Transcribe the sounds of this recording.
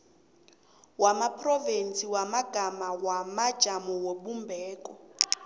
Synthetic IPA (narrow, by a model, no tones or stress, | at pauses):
wamapʰrɔvɛnt͡sʰʼiwamaɡ̥ʱamawamad̥ʒ̥ʱamɔwoɓumbʱɛːkʼɔ